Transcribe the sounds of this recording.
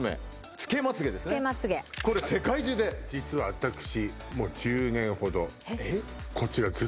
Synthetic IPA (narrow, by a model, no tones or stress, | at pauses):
mḛ | t͡sɨ̥ke̞mat͡sɨɡe̞d̪e̞sɨnemat͡sɨɡeko̞ɾese̞kaiʑɨːd̪ed͡ʑit͡sɨβaβat̪akɯ̟̥ɕimo̞ːd͡ʑɨːnẽ̞ɰ̃ho̞d̪o̞ekʰo̞t͡ɕiɾazɨ